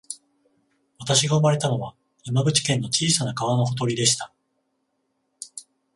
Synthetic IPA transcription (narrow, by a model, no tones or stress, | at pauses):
βat̪aɕiɡaɯ̟maɾe̞t̪ano̞βa | jamabɯ̟t͡ɕi̥kẽ̞nːo̞t͡ɕiːsanakaβano̞ho̞t̪̬o̞ɾʲid̪e̞ɕi̥t̪a